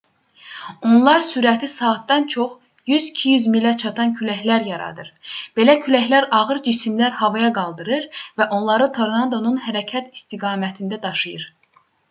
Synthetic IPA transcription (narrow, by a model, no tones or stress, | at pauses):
o̞nlˠɑɾsyɾæt̪ʰisɑːt̪̚d̪ɑnt͡ʃʰo̞χ | jyzicʰijyzmilæt͡ʃʰɑt̪ʰɑncʰylæçlæɾjɑɾɑ̰d̪ɯɾb̥e̞læcʰylæçlæɾɑʁɯɾd͡ʒisimlæɾhɑvɑjɑɡɑlˠd̪ɯɾɯɾvæʔo̞nlˠɑɾɯt̪ʰo̞ɾnɑd̪o̞nunɦæɾæcʰæt̪ʰist̪iɡɑːmæt̪ʰind̪æd̪ɑʃɯjɯɾ